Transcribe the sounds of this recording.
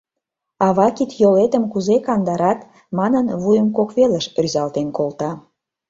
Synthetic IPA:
ɑβɑkit̪jolet̪ə̆mkuzekɑnd̪ɑɾɑt̪ | mɑnənβujəmkokβeləʃryzɑlt̪enkolt̪ɑ

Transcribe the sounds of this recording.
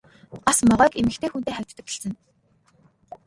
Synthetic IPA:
asmɔʁœːkemɘ̆xkt̪ʰeːxunt̪eːχæwʲt̪ʰt̪ə̆kɪ̥̆sɘ̆n

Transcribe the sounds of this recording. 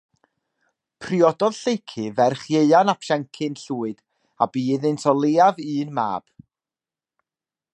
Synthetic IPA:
pʰrɪɔdɔðɬejkʰɨvɛrχjeɨanapʰʃɛŋkʰɨnɬuːɨd̥ | a̰biːðɨntʰɔlˠeːavɨːnma̰ːb̥

